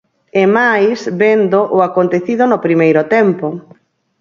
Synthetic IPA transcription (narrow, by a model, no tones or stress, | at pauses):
emajsbend̪oʔʊakont̪eθiðʊnopɾimejɾʊt̪ɛmpo